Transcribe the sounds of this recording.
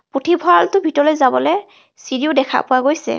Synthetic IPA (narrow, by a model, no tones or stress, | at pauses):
putʰibʱɔaltʊbʱitɔlɔjzabɔlɛ | siɹiʊdɛkʰa̰pʊwaɡojsɛ̰